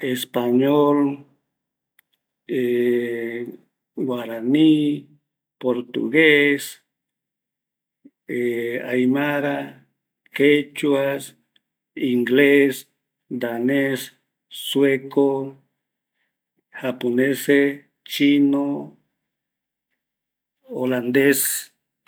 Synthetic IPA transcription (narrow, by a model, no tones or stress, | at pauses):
espaɲol | e | ɡwaɾani | poɾt̪ṵɣes | eajmaɾa | ket͡ʃuas | iŋɡles | d̪anesː | weko | haponese | t͡ʃino | oland̪es